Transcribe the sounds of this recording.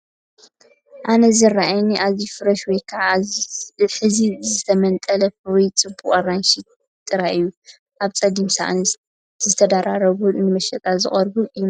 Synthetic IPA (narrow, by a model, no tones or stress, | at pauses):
ʔanɐzɨrːaʔajniʔazifɨɾɐʃwɔjkʰaʕa | ħɨzizɨt̪ʰɐmɐnt̪ʼɐlɐwɔjt͡sʼɨbuχʼɐranʃi | t̪ʼɨɾaʔɨjːu | ʔaβt͡sʼɐd̪imsa̰ʔnɐs | zɨt̪ʰɐd̪aɾaɾɐβunɨmɐʃɐt̪ʼazɨ̰χʼɐɾbɨɨu